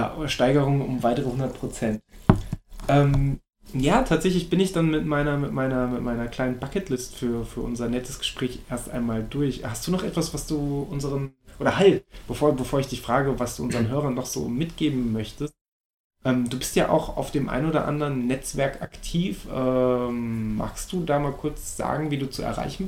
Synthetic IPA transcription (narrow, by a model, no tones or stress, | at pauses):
a̰ʔoɐʃtaɪɡəʁ̞ʊŋʊ̰mvaɪtəʁəhʊndɐt̚pʁ̥ot͡sɛnt | ʔɛːm | jaːtʰaːtz̥ɛçlɪçb̥ɪnɪçd̥anmɪtmaɪnɐmɪtmaɪnɐmɪtmaɪnɐkl̥aɪnənbakɛtlɪstfyːɐfyːɐʔʊnzɐnɛtʰəsɡ̥ə̥ʃpʁ̥ɛːçʔʔeːɐstʔa̰ɪnmaːldʊɐçhast̚d̥uːnɔχʔɛ̰tv̥asv̥asd̥uːʔʊnzəʁənʔoːɾɐhalb̥əfoːɐbəfoːɐɪçd̥ɪçfʁ̥aːɡəvasd̥ṵːʔʊnzəʁənɦøːʁɐnːɔχz̥o̰ːmɪtɡ̥eːbm̩ːœçtəst̚ | ʔɛːmduːbɪstjaːʔa̰ʊxa̰ʊfd̥eːmʔa̰ɪnoːdɐ̰ʔa̰ndəʁənːɛt͡sv̥ɛɐka̰ktʰiːfʔɛː | mːa̰ːkstd̥uːdaːmaːlkʰʊɐt͡sz̥a̰ːɡŋ̩viːduːt͡suɛ̰ɐʁa̰ɪçn̩